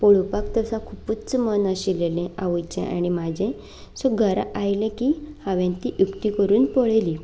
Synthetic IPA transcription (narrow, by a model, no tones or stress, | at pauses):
pɔɭupakt̪əsãkʰuput͡smənaɕilelẽʔaʋəjt͡ɕẽʔa̰ɽ̃imad͡ʑẽ | sɔɡʱəɾa̰ʔajlẽkihaʋãnt̪iʔjukt̪ikəɾuːnpɔɭeli